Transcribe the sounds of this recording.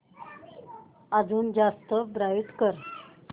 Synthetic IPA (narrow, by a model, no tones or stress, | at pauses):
ad͡zuːnd͡ʑast̪əbɾajut̪kəɾ